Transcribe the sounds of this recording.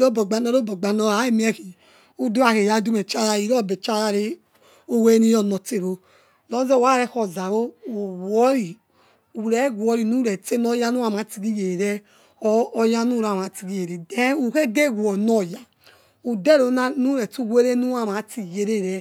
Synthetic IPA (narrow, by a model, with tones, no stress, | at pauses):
ɾo˦bɔ˨ɡ͡ba˨nɔ˦ɾo˦bɔ˨ɡ͡ba˨nɔ˨a˨˦e˦mi˦ɛ˦ki˨ | u˦du˦a˨ke˨ja˦du˦me˨t͡ʃa˦ɾa˦˨i˨ɾɔ˦˨be˨t͡ʃa˦ɾa˦ɾe˦ | o˦we˦ni˦jɔ˦˨nɔ˨te˦˨ɾo˦ | lɔ˨˦zɛ˦˨wa˦ɾɛ˦˨xɔ˨za˨wo˦o˨wɔ˦ɾi˨ | u˨ɾɛ˨˦ɡʷɔ˨ɾi˨nu˦ɾɛ˨te˦no˦ja˦nu˦a˦˨ma˨˦ti˨ɡi˦je˨ɾɛː˦ | ja˦nu˦˨ɾa˨ma˨˦ti˨ɡi˦je˨ɾe˨de˦u˨ke˦ɡe˦˨ɡʷɔ˨nɔ˦˨ja˨ | u˨de˦ɾo˨na˦nu˦ɾɛ˨tu˦˨we˦ɾe˦nu˦a˦˨ma˨˦ti˨je˨ɾe˦˨ɾɛ˨